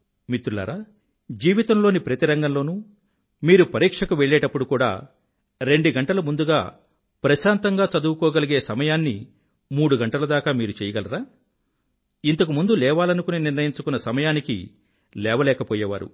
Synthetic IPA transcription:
mit̪ɾula̰ːɾaː | d͡ʒiːʋit̪ɐmloːnipɾɐt̪iɾɐŋɡɐmlo̞ːnu | miːɾupɐɾiːkʂɐkuʋeɭːɛːʈɐpːuɽukuːɽa̰ː | ɾe̞ɳɖuɡɐɳʈɐlɐmund̪uɡaː | pɾɐʃaːnt̪ɐŋɡaːt͡ʃɐd̪uwukɔːɡɐliɡeːsɐmɐjaːnːḭ | muːɽuɡɐɳʈɐlɐd̪aːkaːmiːɾut͡ʃɛːjɐɡɐlɐɾaː | int̪ɐkumund̪ulɛːʋaːlɐnukuniniɾnɐjiɲt͡ʃukunːɐsɐmɐjaːnikḭ | lɛːʋɐlɛːkɐpɔːjɐʋa̰ːɾṵ

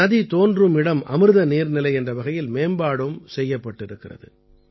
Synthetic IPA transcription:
ɐðit̪oːndrɯmɪɽɐmɐ̰mɯɾɯðɐniːɾnɪlɐɪɛndrɐʋɐɣɐjɪlmeːmbaːɽɯmsɛjːɐpːɐʈːɪɾɯkːɪrɐ̰ðɯ̰

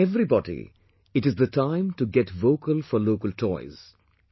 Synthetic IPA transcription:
ɛvɾibɔdḭ | ɪʈɨzd̪ətʰãɪ̃mʈuɡɛʈʋoːkəlfɔɾloːkəlʈʰɔɪz̥

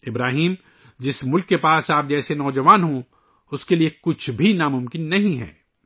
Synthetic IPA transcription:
ɪbɾaːɦiːm | d͡ʒɪsmʊlkːepaːsaːp̚d͡ʒɛːsenɔːd͡ʒɐʋaːnɦõ | ʊskeliekʊt͡ʃʰbʱinamʊ̃mkɪnːɐɦĩɦɛ̰ː

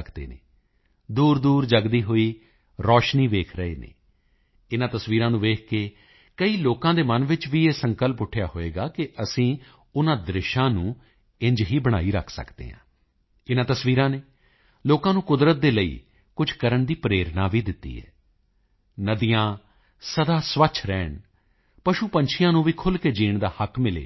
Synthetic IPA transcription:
əkd̪ḛːnḛː | d̪uːɾd̪uːɾd͡ʒəɡd̪iːɦoːiː | ɾɔːʃniːʋeːkʰɾəḛːnḛː | ɪnãːt̪əsʋiːɾãːnũːʋeːkʰkeː | kəiːloːkãːd̪eːmənʋɪt͡ʃʋiːeːsəŋkəlpʊʈʰjaːɦoːḛːɡaːkɪʔəsĩː | ʊnãːd̪ɾɪʃãːnũː | ɪ̃ɲd͡ʒɦiːbəɽ̃aːiːɾə̰kʰsə̰kd̪ḛːɦã̰ː | ɪnãːt̪əsʋiːɾãːneː | loːkãːnũːkʊd̪ɾət̪̚d̪eːləḭː | kʊd͡ʒʱkəɾəɳd̪iːpɾeːɾnaːʋiːd̪ɪt̪ːḭːɦɛ̰ː | nəd̪ijãː | səd̪aːsʋət͡ʃʰɾɛːɳ | pəʃuːpəɲt͡ʃʰɪjãːnũːʋiːkʰʊlkeːd͡ʒiːɳd̪aːhəkmɪlḛː

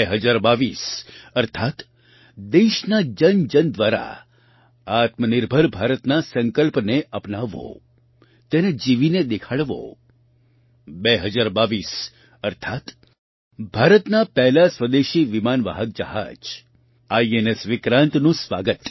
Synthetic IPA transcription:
eɦəd͡ʒaɾbaʋisəɾt̪ʰat̪ | d̪eʃnad͡ʒənd͡ʒənd̪ʋaɾa̰ | at̪məniɾbʱəɾbʱaɾət̪nasəŋkəlpneʔəpnaʋo̰ | t̪ened͡ʒiʋined̪ekʰaɭʋo̰ | beɦəd͡ʒaɾbaʋis | əɾt̪ʰat̪ | bʱaɾət̪napɛɦlasʋəd̪eʃiʋimanʋa̰ɦək̚d͡ʒə̰ɦa̰d͡ʒ | aienesʋɪkɾãnt̪nũsʋaɡət̪

